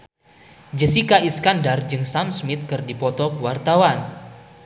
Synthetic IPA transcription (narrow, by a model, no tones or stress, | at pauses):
d͡ʒəsikaʔiskandard͡ʒɨŋsamsmɪt̪̚kɨrdipɔt̪ɔkəwart̪awan